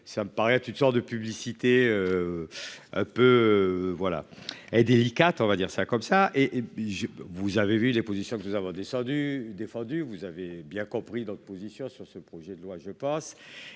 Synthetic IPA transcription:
saməpaʁɛt̪yt̪nsɔʁt̪̚d̪əpyblisit̪eø | ɛ̰̃pøvwala̰ɛd̪elikat̪ɔ̃vad̪iʁsakɔmsaʔeʔʒəvuzavevylepozisjɔ̃kənuzavɔ̃d̪esɑ̃d̪yd̪efɑ̃d̪yvuzavebjɛ̃kɔ̃pχid̪ɔt̪χəpozisjɔ̃syʁsəpχɔʒɛd̪əlwaʒəpɑ̃s

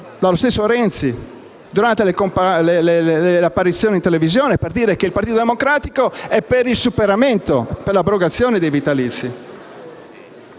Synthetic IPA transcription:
d̪alost̪esːoɾɛnt̪si | d̪uɾant̪elekompleleleapːaɾit̪sːjoːnint̪elevizjoːneperd̪iːɾekeilpaɾrt̪iːt̪od̪emokɾaːt̪ikoɛpːeɾilsupeɾament̪opeɾlabɾoɡat̪sːjoːned̪ejvit̪alit̪sːi

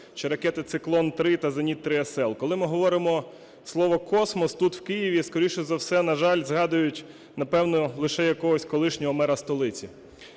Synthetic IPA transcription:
ʃt͡ʃeɾɐkɛt̪ɪt̪sɪklˠɔnt̪ɾɪt̪ɐzɐnʲit̪ːɾɪɐsɛlˠkɔlˠɪmɪɦɔʋɔɾɪmɔ | slˠɔʋɔkɔsmɔst̪ut̪wkɪjiʋʲiskɔɾʲiʃt͡ʃɔzɐwsɛnɐʒɑlʲzɦɑd̪ʊjʊtʲ | nɐpɛwnɔlˠɪʃɛjɐkɔɦɔsʲkɔlˠɪʃnʲɔɦɔmɛɾɐst̪ɔlˠɪt͡sʲi

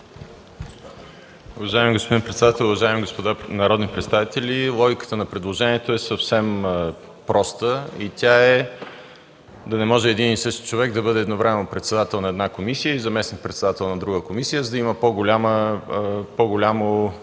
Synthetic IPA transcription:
ʊvɐʒaimiɡospod̪inpɾɛt̪sɛd̪at̪ɛlˠʊvɐʒaimiɡospod̪anɐɾɔd̪nipɾɛt̪st̪avit̪ɛlʲilˠɔɡʲikə̥t̪ənɐpɾɛd̪lˠoʒɛniɛt̪oɛsəfsɛm | pɾɔst̪əit̪ʲaɛ | d̪ɐnɛmɔʒɛːd̪inisɤʃt̪i̥t͡ʃovɛɡd̪ɐbɤd̪ɛːd̪novɾɛmɛnopɾɛt̪sɛd̪at̪ɛlˠnɐɛd̪nakomisijəizɐmɛsnik̚pɾɛt̪sɛd̪at̪ɛlˠnɐd̪ɾuɡəkomisijəzəd̪iməpoɡolʲamə | pɔɡolʲamo

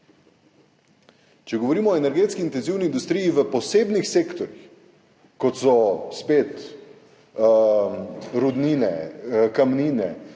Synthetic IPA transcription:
t͡ʃɛɡɔʋɔɾiːmɔːenɛɾɡeːt̪skiint̪ɛnziːwniːnd̪ust̪ɾiːjiʋəpɔseːbnixseːkt̪ɔɾjix | kɔt̪sɔspeːt̪ | ɾud̪niːnɛkamniːnɛ̰

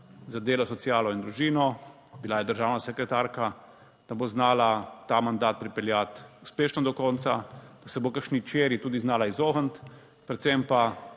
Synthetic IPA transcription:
zad̪eːlɔsɔt̪sijaːlɔind̪ɾuʒiːnɔbilajɛd̪əɾʒaːwnasɛkɾɛt̪aːɾka | d̪̥aboznaːlat̪aːmand̪aːt̪̚pɾipɛljat̪uspeːʃnɔd̪ɔkɔːnt̪sad̪̥asɛbokəɾʃnit͡ʃeːɾjit̪uːd̪iznaːlaizoːɦənt̪ | pɾɛt̪sempa

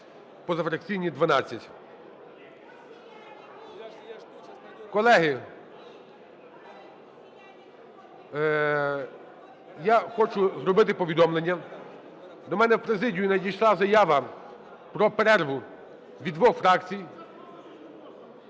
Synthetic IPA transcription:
pɔzɐfɾɐk̚t͡sʲijnʲid̪ʋɐnɑt͡sʲːɐtʲ | kɔlˠɛɦɪ | jaxɔt͡ʃʊzɾɔbɪt̪ɪpɔʋʲid̪ɔmlˠenʲːɐ | d̪ɔmɛnɛwpɾezɪdʲijʊnɐdʲijʃlˠɑzɐjaʋɐ | pɾɔpeɾɛɾʋʊ | ʋʲid̪ʋɔxfɾɑkt͡sʲij

